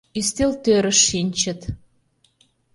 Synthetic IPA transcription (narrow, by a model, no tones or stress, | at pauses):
ist̪elt̪øɾə̆ʃːinʲt͡ɕə̆t̪